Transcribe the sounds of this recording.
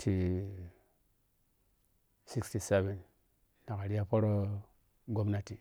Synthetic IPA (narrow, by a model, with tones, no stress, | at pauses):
tʰi˨ | si˦ksti˨se˦ve˨n | na˨ka˨ɾi˦ja˦po˦ɾo˦ | ɡo˦mna˦ti˨